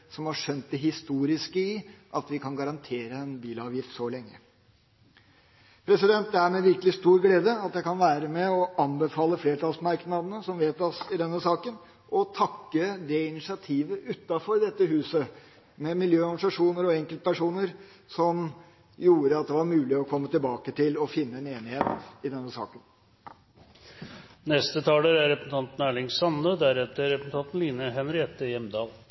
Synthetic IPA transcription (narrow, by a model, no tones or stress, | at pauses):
sɔmhɑʂœnt̪̚d̪ɛɦɪst̪uːɾɪskəɪʔɑt̪ʋɪkʰɑnɡɑɾɑnt̪ʰeːɾəɛnbiːlɑːʋjɪft̪sɔlɛŋːə | pʰɾɛsɪd̪ɛnt̪̚d̪æmɛʋɪɾkəlɪst̪uːɾɡleːd̪əɑt̪jæɪkɑnʋæːɾəmɛɔɑnbəfɑːləfleːɾʈɑlsmæɾknɑd̪ənəsɔmʋeːt̪ɔsɪd̪ɛnːəsɑːkən | ʔɔt̪ʰɑkːəd̪ɛɪnɪsɪɑt̪ʰiːʋəʔʉt̪ːɑfɔɾd̪ɛt̪ːəɦʉːsə | mɛmɪljøːɔɾɡ̩̪sɑʂuːnəɾɔɛŋkəlt̪̚pæʂuːnəɾ | sɔm | juːɾəɑt̪̚d̪ɛʋɑɾmʉːlɪɔkʰɔmːət̪ɪlbɑːkət̪ɪlɔfɪnːəɛneːnɪheːt̪ɪd̪ɛnːəsɑ̰ːkən | nɛst̪ət̪ʰɑːləɾæɾɾɛpən̩t̪ʰɑnt̪n̩æːɭɪŋsɑnəd̪æɾɛt̪ːəɾɛpən̩t̪ʰɑnt̪n̩liːnəɦɛnɾɪɛt̪ːəjɛmd̪ɑːl